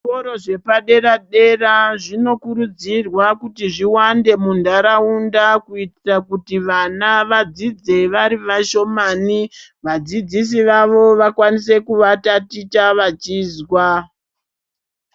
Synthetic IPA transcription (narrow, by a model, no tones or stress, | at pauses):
ʐikoɾo̞ʐe̞paɗe̞ɾaɗe̞raʐino̞kuɾud͡zirwakutiʐiwande̞mundaɾaundakuitirakutiʋanaʋad͡zid͡ze̞ʋaɾiʋaʃo̞maniʋad͡zid͡zis̬iʋaʋo̞ʋakwanis̬e̞kuʋatatit͡ʃaʋat͡ʃiːzwa